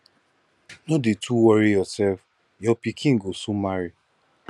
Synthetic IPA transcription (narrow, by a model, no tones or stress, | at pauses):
nodetʰuwɔɾijɔsɛlf | jɔpikʰĩŋ̩ɡosumaɾi